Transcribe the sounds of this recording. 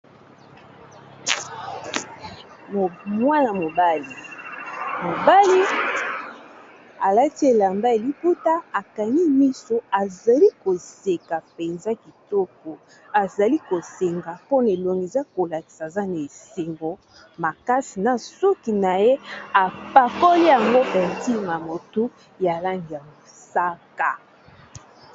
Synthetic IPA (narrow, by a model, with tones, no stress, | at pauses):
mwa˦na˨mo˨ba˦li˨ | mo˨ba˦li˦ | a˨la˦ti˦e˨la˨mba˦e˨li˦pu˦ta˦a˨ka˨ni˦mi˦so˦a˨za˨li˦ko˨se˨ka˨pe˨nza˦ki˨tɔ˦kɔ˨ | a˨za˨li˦ko˨se˨ŋɡa˨po˦ne˨lo˨ŋɡe˨za˦ko˨la˨ki̥˨sa˨za˦na˨e˨se˨ŋɡo˨ | ma˨ka˦si˨na˨sɔ˦ki˨na˨je˦a˨pa˨kɔ˦li˦ja˨ŋɡo˦ʔe˨ti˦ma˨mo˨tu˦ | ja˨la˦ŋɡi˨ja˨mo˨ | sa˦ka˨